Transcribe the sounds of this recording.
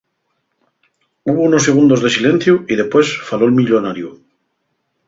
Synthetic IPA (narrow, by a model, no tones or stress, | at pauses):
uβ̞ounosːeɣ̞und̪ozðesilẽn̟θjuiðe̞pwesfaloelmiʎonaɾju